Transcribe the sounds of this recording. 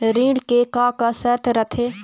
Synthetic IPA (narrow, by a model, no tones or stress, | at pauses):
ɾĩːɽkekaːkasət̪ʰɾət̪ʰe